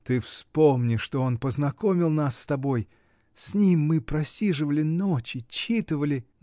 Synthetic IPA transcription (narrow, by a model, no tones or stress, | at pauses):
t̪ɨfspo̞mnʲɪʂt̪o̞onpəznɐko̞mʲɪlˠnasːt̪ɐbo̞j | sʲnʲimːɨpɾɐsʲiʐɨvəlʲɪnot͡ɕɪt͡ɕit̪ɨvəlʲɪ